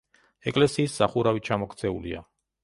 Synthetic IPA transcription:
ɛkʼlɛsiːszaχuɾavit͡ʃʰamɔkʰt̪sʰɛulia̰

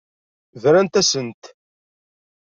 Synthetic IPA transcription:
vɾænt̪æsənt̪

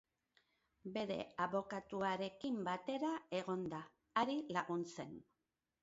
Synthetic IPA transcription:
be̞ɾe̞̰aβo̞kat̪uaɾe̞kimbat̪e̞ɾae̞ɣo̞nd̪aː | ɾilaɣunse̞n

